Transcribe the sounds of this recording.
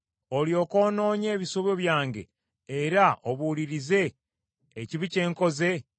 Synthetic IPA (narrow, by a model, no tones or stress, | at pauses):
oljo̞ːko̞ːno̞ːɲe̞ːβisoβoβjaːŋɟe̞̰ | eɾaoβuliɾize̞ː | ciβice̞ːŋko̞ze̞